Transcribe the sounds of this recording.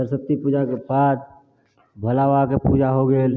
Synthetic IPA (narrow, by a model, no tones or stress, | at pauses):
əɾsət̪ːipuːd͡ʒakebad̪̚ | bʱəlaʋakepud͡ʒaɦoɡeːl